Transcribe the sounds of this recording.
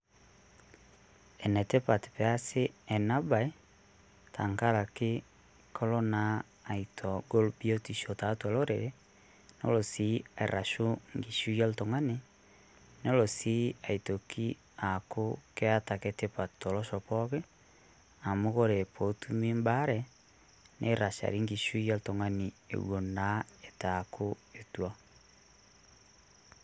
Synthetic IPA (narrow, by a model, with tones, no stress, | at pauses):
ɛ˨nɛ˨te˦pa˨tpɛ˨a˦se˦ɛ˨na˦ba˨e˦ | tʰa˨ŋka˦ɾa˨kɪ˦ | kʰɔ˦lɔ˦naː˦˨ | itʰɔ˨ɡo˦lbi˦o˦ti˨ʃo˨ta˨tu˦a˨lo˦ɾḛɾe˦ | no̰˦lo˨si˨˦a˨i˨ɾʔa˨ʃu˦ŋɡi˨ʃu˦ja˦lto˨ŋa˦ne˨ | nɔ˦lo˨si˦a˨i˨to˨ki˦ | a˨koke˦a˦ta˨kete˦pa˨to˨lɔ˦ʃɔ˨pɔke˦ | a˨mo˦ɣo˦ɾe˨po˨tumi˦mba˦ɾɛ | nʔḛ˦ɾa˨ʃa̰˨ɾi˦ŋɡi˨ʃu˦ja˦ltɔ˨ŋa˨ni˨ḛɣwo˨na˦e˨ta˨koe˨twa